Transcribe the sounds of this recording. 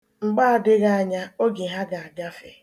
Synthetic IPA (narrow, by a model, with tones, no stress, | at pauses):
ŋ͡m̩˨ɡ͡baː˦a˨dɪ˦ɣa˦a˨ɲa˦o˦ɡi˨ɦa˦ɡa˨a˨ɡa˦fe˨